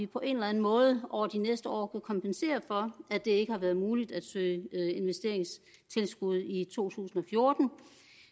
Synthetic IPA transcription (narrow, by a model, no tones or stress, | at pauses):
ipʰɒ̽ʔe̝nlænn̩mɔ̽ːð̞ˠəɒ̰ːd̥inesd̥əɒ̰ːkʰækʰɒ̽mpʰense̝̰ːɐfɒ̽æd̥e̝e̝ɡ̥əhɑ̈ʋæɐðˠmuːlid̥æd̥sø̰ːe̝nʋesd̥e̝ɐ̰eŋs | t͡sʰe̝lsɡ̥uð̞̰ˠit͡sʰo̝̰ːt͡sʰṵːsn̩ɒ̽fjo̝ɐd̥n̩